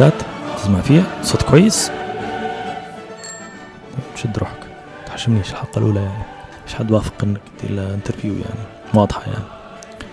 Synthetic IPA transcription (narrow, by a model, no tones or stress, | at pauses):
æt̪zmafiæsˤot̪kwæjːəs | ʃid̪ɾṵħə̥k | t̪ħḁʃːəmniʃlħɑqːɑlʔṵlæjaʕni | ʃħad̪ːwæfə̥qənːəkd̪ḭlnt̪əɾfjṵja̰ʕni | wɑd̪ˤħɑja̰ʕni